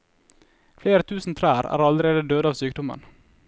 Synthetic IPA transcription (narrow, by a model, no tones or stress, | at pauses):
fleːɾət̪ʰʉːsn̩t̪ʰɾæːɾæ̰ːɾɑlɾeːd̪əd̪øːd̪əɑːʋsyːk̚d̪ʊmə̰n